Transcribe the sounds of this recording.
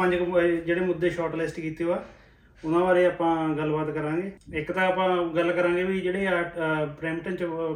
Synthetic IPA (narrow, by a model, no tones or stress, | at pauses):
ə̃ɲd͡ʒkd͡ʒeːɽeːmʊd̪ːeːʃɔːʈlɪsʈkiːt̪eoaː | ʊnãːʋaːɾeːaːpãːɡəlːbaːt̪kəɾãːŋɡeːɪkt̪ãːaːpãːɡəlːkəɾãːŋɡeːʋid͡ʒeːɽeːapɾɛːmʈənt͡ʃ